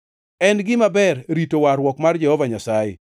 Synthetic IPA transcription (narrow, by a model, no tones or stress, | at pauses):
ɛnɡɪmabɛrɾitowaɾwɔkmard͡ʒɛhɔvaɲasajḛ